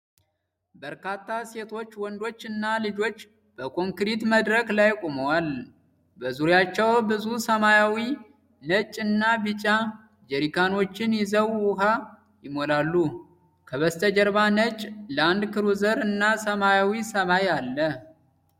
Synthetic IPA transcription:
bəɾkat̪ʰːase̞t̪ʰo̞t͡ʃːwɔnd̪o̞t͡ʃːɨnːalɨd͡ʒo̞t͡ʃː | b̥əkʰo̞ŋkɾit̪məd̪ɾəklajkʼoməwal | bəzuɾjat͡ʃːɛwbɨzusəmajawi | nət͡ʃʼɨnːabɨt͡ʃʼa | d͡ʒɛɾikʰano̞t͡ʃːɪnjɪzəwwʊɦa | jɪmolalːu | kʰəβəst̪ʰəd͡ʒəɾβanət͡ʃʼləand̪kʰɨɾuzəɾɨnːasəmajawisəmajalːə

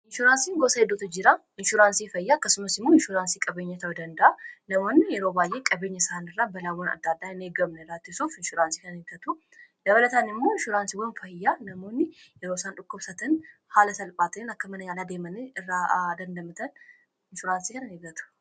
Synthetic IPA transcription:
ʔɪnʃuɾaːnsiːŋɡosɐhɛd̪ːot̪ɐd͡ʒɪɾa | ɪnʃuɾaːnsifɐjːaːɐkːɐsʊmɐsɪmːoɪnʃuɾaːnsikʼɐbeːɲːɐt̪ɐwd̪ɐnd̪ɐaːnɐmo̞ːnːɪjɛɾobaːjːe̞ːkʼɐbe̞ːɲːɐsɐhɐnɪrːaːbɐlaːwɔnɐ̰d̪ːaːd̪ːaːɪne̞ːɡɐmnɛɾaːt̪ːɪsuːfɪnʃʊɾaːnsikɐnneɡ̪ɐt̪u | d̪ɐβɐlɐt̪anɪmːoɪnʃʊɾaːnsiwɔnfɐjːaːnɐmo̞ːnːɪ | jɛɾoːsaːnᶑʊkːʊbsɐt̪ɐnhaːlɐsɐlpʼaːt̪enɐkːɐmɐnɐɲaːlaːd̪e̞ːmɐneɪrːaːd̪ɐnd̪ɐmɐt̪ʰɐn | ɪnʃʊɾaːnsikɐnɐneːɡɐt̪ʰu̥

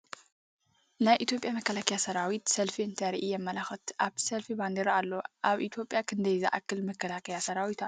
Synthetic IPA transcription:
najʔit̪ʰjo̞pʼjamɐkːɐlakʰɐjasɐɾawit̪sɐlfiɨnt̪ʰɐɾiʔijɛmːɐlaxɐt̪ʔaβt̪ʰsɐlfiband̪eɾalːoʔaβʔit̪ʰjo̞pʼjakʰɨnd̪ɐjzɐ̰ʔakʰːɨlmɐkːɐlakʰɐjasɐɾawit̪ʰa

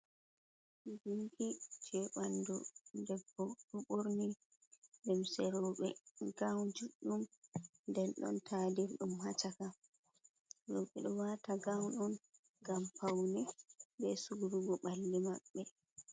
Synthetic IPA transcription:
d͡ʒiŋɡid͡ʒɛɓandɔndɛbːɔbɔɓoɾni | dɛmsɛɾɔːɓɛ̰ɡawd͡ʒuɗːumndɛnɗɔ̰ntʰaːdiɾɗumhat͡ʃaka | ɾɔɓɛɗɔwataɡawɗɔn | ɡampawnibɛsuɡuɾuɡɔɓalːimaɓːɛ

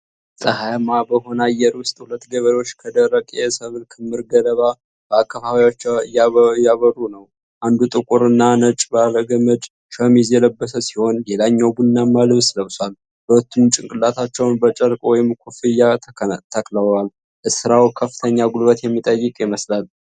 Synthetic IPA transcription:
sʼəhajmabəho̞nəajɛɾwʊst̪ʼhulət̪ːɡəβəɾo̞t͡ʃːkʰəd̪əɾːəkʼjɛsəβɨlkʰɨmːɨɾɡələβa | b̥əakːafaβajot͡ʃːjjaβərːunəw | ʔand̪ut̪ʼɨkʼʊɾɨnːanət͡ʃʼbaləɡəmət͡ʃʼ | ʃəmizjɛləbːəsəsiho̞nlelaɲːawbunːamːalɨβsləwswal | hulət̪ʰːumt͡ʃʼɪŋkʼɨlat̪ʰat͡ʃːɛwnbət͡ʃʼəɾkʼwɔjɪmkʷʰufɨjːat̪ʰəkləal | ʔɨsɨɾawkʰəfːɨ̥t̪ʰəɲːaɡulbət̪jɛmːit̪ʼəjːɨkʼjɪməslal

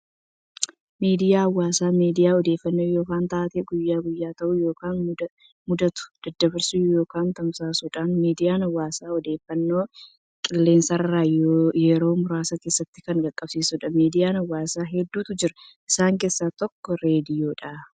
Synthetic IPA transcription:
miːd̪ɪjaːɐwːaːsaːmiːd̪ɪjaːɔd̪eːfːɐnːoːjo̞ːkaːnt̪aʔɐt̪eːɡʊjːaːɡʊjːaːt̪ɐʔuːjo̞ːkaːn | mʊd̪ɐt̪ʊ̥d̪̥ɐd̪ːɐbɪɾsuːjo̞ːkaːnt̪ɐmsaːsuːᶑaːnmiːd̪ɪjaːnɐwːaːsaːɔd̪e̞ːfːɐnːo̞ː | kʼɪlːe̞ːnsɐrːaːjjɛɾo̞ːmʊɾaːsɐkeːsːɐt̪ːɪ̥kɐŋɡɐkʼːɐb̥siːsʊᶑɐmiːd̪ɪjaːnɐwːaːsaːɦɛd̪ːuːt̪ʊd͡ʒɪɾɐʔɪsaːŋke̞ːsːaːt̪ɔkːɔɾe̞ːd̪ɪjoːᶑaː

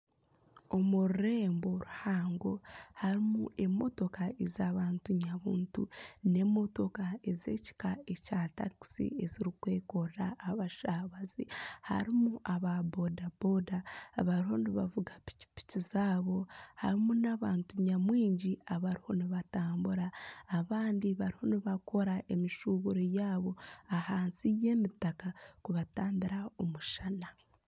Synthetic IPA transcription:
o̞muɾuɾe̞ːmbo̞ɾuhaːŋɡo̞haɾimṵe̞mo̞̰to̞kaezaβaːntuɲaβuːntṵne̞mo̞to̞kae̞ze̞̰ːci̥kae̞caːta̰ki̥sḭe̞ziɾikwe̞ːko̞ɾɾaːβaʃaβaziha̰ɾimuʔaβabodabodaβaɾiho̞niβavuɡapi̥ci̥pi̥cizaːβo̞ha̰ɾimunaβaːntuɲamwiːɲɟiaβaɾiho̞niβataːmbuɾaːβaːndiβaɾiho̞niβako̞ɾaʔe̞miʃuβuɾojaːβo̞ahaːnsije̞ːmitakakuβataːndiɾaomuʃana

